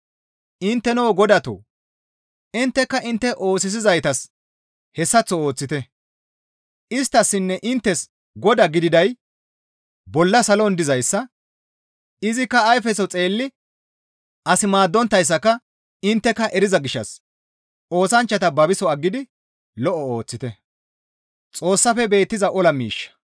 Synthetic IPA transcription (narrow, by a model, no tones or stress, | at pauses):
ɪnt̪ːɛnoːɡɔd̪ɐt̪o̰ː | ɪnt̪ːɛkːɐʔɪnt̪ːɛʔo̞ːsɪs̬ɪzɐjt̪ɐs | hɛsːɐt͡sːɔoːt͡sːɪt̪ɛ | ʔɪst̪ːɐsːɪnːɛʔɪnt̪ːɛs | ɡɔd̪ɐɡɪd̪ɪd̪ɐj | bɔlːɐsɐlɔnd̪ɪzɐjsːɐ | ɪzɪkːɐːjfɛsɔt͡sʼe̞ːlːɪ | ʔɐsɪmaːd̪ːɔnt̪ːɐjs̬ːɐkɐ | ɪnt̪ːɛkːɐʔɛɾɪzɐɡɪʃːɐs | o̞ːsɐnt͡ʃːɐt̪ɐbɐbɪsɔɐɡːɪd̪ɪ | lɔʔɔo̞ːt͡sːɪt̪ɛ | t͡sʼo̞ːsːɐfɛbe̞ːt̪ːɪzɐʔɔlɐmḭːʃːɐ̥